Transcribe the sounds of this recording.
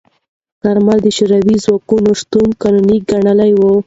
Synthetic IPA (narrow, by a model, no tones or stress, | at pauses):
kaɾmald̪əʃuɾawizwɑkunoʂt̪unkanuniɡaɳəlajwo